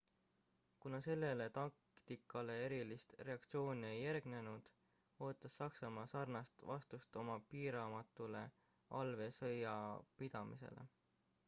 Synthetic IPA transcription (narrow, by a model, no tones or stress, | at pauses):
kunɑse̞lːe̞le̞t̪ɑk̚ | t̪ikːˑɑle̞e̞ɾilist̪re̞ɑkt̪sio̞ːnie̞jːærɡ̥ne̞nud̪̥ | o̞ːt̪ːˑɑsːɑksɑmɑːsɑrnɑst̪vɑst̪ust̪o̞mɑpiːɾɑmɑt̪ːˑule̞̰ | ʔɑlve̞sɤjɑpid̪̥ɑmḭse̞̰le̞̰